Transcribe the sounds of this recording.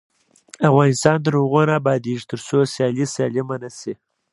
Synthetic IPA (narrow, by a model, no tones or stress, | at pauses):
afɣɑnɪst̪ɑnd̪əɾoɣonabɑd̪iʒit̪əɾsosjɑlisɑlɪmanasi